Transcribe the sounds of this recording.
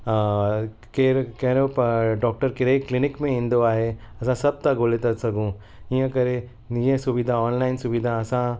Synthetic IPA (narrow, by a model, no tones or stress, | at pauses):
keɾkɛɦɾopɐɖɔːk̚ʈəɾkɪɾeklɪnɪkmẽĩːn̆d̪oaːɦe | ɐsãsɐb̚t̪aɡoːlet̪ɐsɐɡʱũ | ijə̃kɐɾe | niə̃sʊʋid̪ʱaɔːnlaːɪnsʊbid̪ʱaɐsã